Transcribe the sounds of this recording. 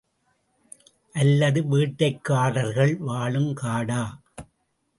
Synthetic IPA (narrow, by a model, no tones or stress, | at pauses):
ʔɐlːɐðɯʋiːʈːɐɪkːaːɽɐɾɣɐɭʋaːɭɯmkaːɽaː